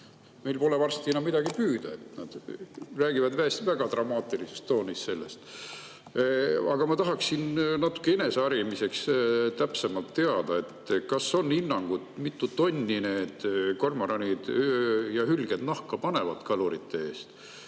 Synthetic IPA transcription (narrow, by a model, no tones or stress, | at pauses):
mejlpo̞levɑrst̪inɑmid̪̥ɑɡ̥ipyːd̪̥ɑe̞t̪nɑd̪̥ræːɡ̥ivɑd̪væest̪væɡ̥ɑt̪rɑmɑːt̪ːˑilise̞st̪ːo̞ːnːist̪se̞lːe̞̰st̪ | ɑɡ̥ɑmɑt̪ɑɦɑksinnɑt̪ːˑu̥kːeene̞seɑɾimise̞kst̪æpsemɑlt̪ːe̞ɑd̪̥ɑe̞t̪ːkɑso̞nːinːɑŋɡ̥ud̪̥mit̪ːut̪ːo̞nʲːine̞ːd̪̥ko̞rmɑɾɑnʲid̪̥jɑhylɡ̥ed̪nɑhkɑpɑne̞vɑ̰d̪̥kɑluɾit̪ʰːee̞ːst̪